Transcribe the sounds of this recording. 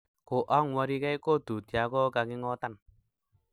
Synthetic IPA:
koʔɔŋwaɾikaikod̪̥ṳd̪̥iakɔkakeŋɔt̪an

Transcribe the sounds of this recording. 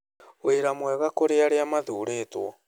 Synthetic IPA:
weɾamwɛɣakoɾeaɾeamaðuːɾeːtwɔ

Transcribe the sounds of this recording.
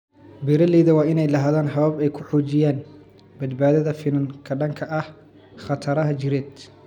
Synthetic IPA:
bɪɾɐlɛːðɐwɑːɪnɛjlɐɦaːðaːnħɐβɐbɛjkʰʊħuːt͡ʃɪjaːn | bɐd̪baːðɐðɐfɪnɐŋkʰɐɖɐŋkʰɐʔɐh | χɐt̪ʰɐɾɐɦɐt͡ʃɪɾɛːd̪

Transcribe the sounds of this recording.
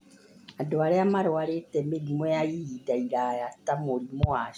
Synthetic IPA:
adoaɾeamaɾoaletɛmeɾimojajiidaiɾajatamoɾimoa

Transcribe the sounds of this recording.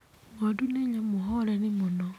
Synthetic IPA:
ŋɡoduneɲamuɦolenimuno

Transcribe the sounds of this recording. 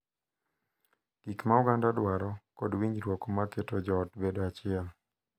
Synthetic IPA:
ɡ̥ikmaʊɡandadwaɾɔkɔdwiɲɾwɔkɔmaketod͡ʒɔːtbedoat͡ʃɪɛl

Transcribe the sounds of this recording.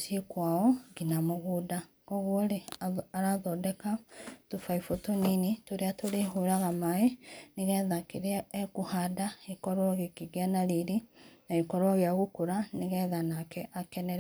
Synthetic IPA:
sikwaɔɡinamoɣuda | koɣwoleaɾaðɔdɛkatufaifotoninitoɾeatoɾeɦuɾaɣamaeniɣɛðakiɾeːkuhadaikɔɾwoɣekiɡianaɾiɾinaikɔɾwoɣeaɣukoɾaneɣɛðanakɛʔakɛnɛɾe

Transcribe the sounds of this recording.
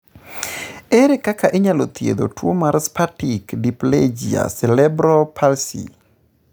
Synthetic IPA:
eɾekakaʔeɲalot̪jḛd̪o̰twomaɾspatikdipled͡ʒia̰sɛlɛbɾopʰalsḭ

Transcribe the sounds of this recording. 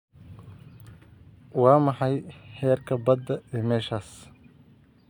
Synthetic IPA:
wɑːmɑħɑjħɛːrkʰɐbɐd̪ːɐɛːmɛːʃaːs

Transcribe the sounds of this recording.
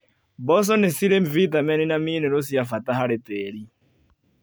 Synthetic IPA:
bɔs̬ɔnɛsiɾemvit̪amɛninaminɛɾos̬iafat̪aɦaɾɛtɛːɺi

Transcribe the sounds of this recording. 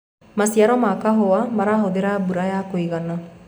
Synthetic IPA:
masijaɾɔmakaɦowamaɾaɦɔd̪iɾabuɾajakoiɡana

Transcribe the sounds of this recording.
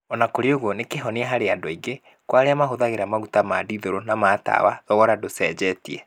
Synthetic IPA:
ɔnakoɾeoɣonekeɦɔneaɦaɾeadoiɡe | kwaɾeamaɦoðaɣeɾamaɣutamadiðoɾonamata̰wa̰ðɔɣɔɾadosɛd͡ʑɛtiɛ

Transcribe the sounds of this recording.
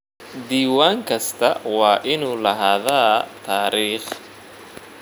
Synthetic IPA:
d̪iːwaːŋkʰɐst̪ʰɐwɑːʔɪnuːlɐɦaːðaːt̪ʰaːɾiːχ

